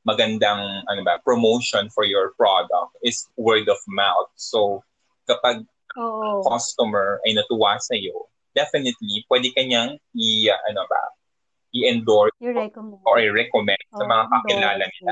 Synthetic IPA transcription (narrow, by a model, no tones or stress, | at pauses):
mɐɡɐnd̪aŋʔɐnobɐpɹomowʃɔnfɔɹjɔɹpɹod̪ɐ̰k̚t̪̚ʔɪswɛɹd̪ɔvmawt̪̚so | kɐpaɡ̚ | ɐkɔst̪umɛɹʔɐjnɐt̪ʊwasɐjo | d̪̥ɛfɪnɪt̪lipwɛd̪ɛkɐɲaŋiʔɐnobɐ̰ | ʔɪʔɛnd̪ɔɹ | oʔjɹɛkomɛnd̪̚sɐmɐŋakɐkɪlaːlɐnɪla